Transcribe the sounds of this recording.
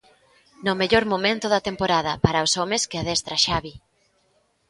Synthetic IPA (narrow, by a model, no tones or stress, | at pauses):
nʊmeʎoɾmomẽnt̪ʊðɐt̪empoɾað̞ɐpaɾɐosɔmeskɪaðɛst̪ɾaʃaβi